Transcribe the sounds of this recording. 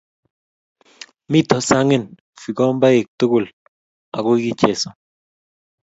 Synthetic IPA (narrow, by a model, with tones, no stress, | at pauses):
mi˦˨tɔ˨sa˦ŋe˦˨n˨ | fi˨kɔ˦mba˦je˨k̚tu˦ɡu˦˨l | a̰˨ko˦ɡi˦˨t͡ʃe˨sɔ˨